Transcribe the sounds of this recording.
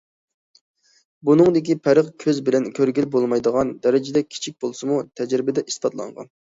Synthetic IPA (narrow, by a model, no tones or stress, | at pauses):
bunɨŋd̪ɪkʲipʰæɾəqkʲʰøzbɪlɛnkʲʰøɾɡʲilbolˠmɑjd̪əʁɑnd̪ɛɾɪd͡ʒɪd̪ɛkʲʰi̥t͡ʃʰik̚ʲbolˠsɨmut̪ʰɛd͡ʒɾɪbɪd̪ɛʔispɑt̪lˠɑ̰ŋʁɑ̰n